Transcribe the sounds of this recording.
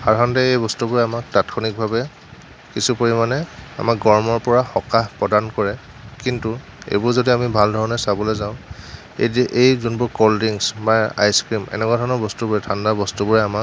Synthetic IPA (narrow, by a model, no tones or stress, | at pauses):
xaɹɦandɛejbɔstubʊɹɛamak̚tatkʰɔnik̚bʱabɛ | kisupoɹimanɛa̰makɡɔɹmɔɹpɔɹaxɔkapɹɔdankɔɹɛ | kintu | ḛjbʊɹzodiamibʱaldʱɔɹɔnɛsabɔlɔjzãʊ̃ | eʔejzunbʊɹkoldiŋsbaa̰jskɹimɛ̰nɛkwadʱɔɹnɔɹbɔstubɔɹɛtʰandabɔstubɔɹɛamak̚